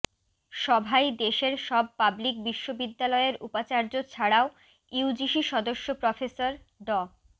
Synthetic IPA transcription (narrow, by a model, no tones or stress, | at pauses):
ʃɔbʱajd̪eʃeɾʃɔb̚pablik̚biʃːobid̪ːalɔeeɾʔupat͡ɕaɾd͡ʑot͡ɕʰaɽao | iud͡ʑiʃiʃɔd̪oʃːopɾɔfesoɾ | ɖɔ